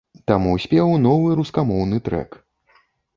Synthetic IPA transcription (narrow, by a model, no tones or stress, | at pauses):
t̪amusʲpʲɛwn̪ɔvɨɾuskamɔwnɨt̪ɾɛ̰k